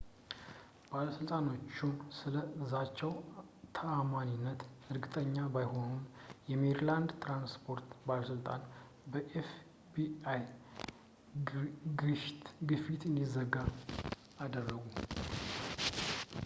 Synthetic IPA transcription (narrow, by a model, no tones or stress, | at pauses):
b̥aləsɨlt̪ʼano̞t͡ʃːusɨləɨzat͡ʃːɛwt̪ʰəamaninːət̪ɨɾɡɨt̪ʼəɲːabajho̞nunjɛmeɾland̪t̪ʰɾanspʰo̞ɾt̪baləsɨlt̪ʼa̰n | bəʔef | biaj | ɡɾɨʃt̪ɡɨfit̪ɨnd̪izəɡa | ad̪ərːəɡu